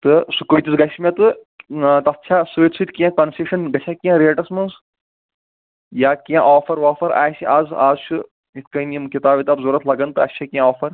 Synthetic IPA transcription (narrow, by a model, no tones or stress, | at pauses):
t̪ɨsukojt̪isɡɐʃmʲɐ̃t̪ɨ | t̪ɐtːt͡ʃʰaːsɨit̪sut̪kʲiãkɐnseʃɐnɡɐt͡ʃʰakʲãɾeːʈɐsmɐns | jaːkʲãʔaːfʰɐɾʋaːfɐɾa̰ːsiʔaːzaːzt͡ʃʰu | it̪ʰkɐiniimkʲit̪aːbʋit̪ɐbzuːɾɐt̪lɐɡɐnt̪ɨɐt̪ːʃʰakʲiãɔːfɐɾ